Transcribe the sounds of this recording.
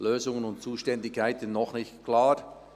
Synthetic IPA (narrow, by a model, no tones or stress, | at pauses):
løːzʊŋənʊntt͡suːʃtɛndɪkʰːaɪtɪnnɔχnɪçtkʰlaːɾ